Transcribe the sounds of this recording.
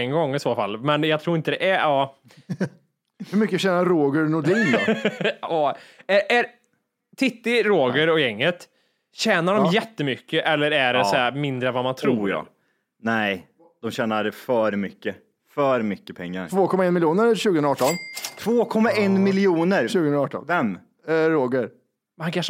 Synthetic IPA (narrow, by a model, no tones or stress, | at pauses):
ɛŋɡɔŋːɪsoːfa̰lːmɛnjɑɡt̪ʰɾuːɪnt̪əd̪ɛʔæɑː | hɵmʏkːəɕɛːnaɾoːɡəɾnʊd̪iːn | ɑːææɾ | t̪ʰɪt̪ːɪɾoːɡəɾɔjɛŋːət̪ | ɕɛːnaɖɔmjɛt̪ːəmʏkːəʔɛlːəɾæɖɛsæɾmɪnd̪ɾəɛnvamant̪ʰɾuːɾjɑ̰ː | nɛɪ | d̪̥ɔmɕɛːnaɾɛfœɾmʏkːə | fœɾmʏkːəpʰɛŋːa̰ɾvoːkʰɔmaɛnmɪljuːnəɾɕʉ̟ɡənɾaɑːʈɔnt̪ʰv̥oːkʰɔmːaɛnmɪlɪjuːnəɾʃʉ̟ːɡəɾaɑːʈɔ̰nvɛm | ɾoːɡəɾ | mɛankʰaʂə